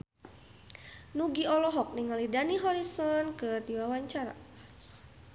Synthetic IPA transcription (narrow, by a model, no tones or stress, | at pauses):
nuɡiɔlɔɦɔk̚niŋalidaniɦɔɾisɔnkɨrdiwawaɲt͡ʃaɾa̰